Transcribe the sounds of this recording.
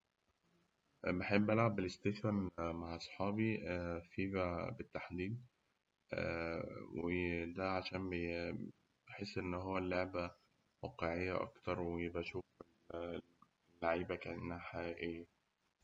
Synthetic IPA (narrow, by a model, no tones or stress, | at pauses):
beħebːʔælʕabːelest̪eθfænmaʕʔɑsˤħɑːbifibæbet̪ːaħd̪iːd̪̚ | wʔed̪æʕaʃæːnbe | bħesːʔenːɦowːælːoʕbæ | wæqeʕejːæ̰ʔɑ̰kt̪ɑɾˤwejebʔæʃuːfl | lːaʕiːbækænʔnːæhæħaʔiʔejːæ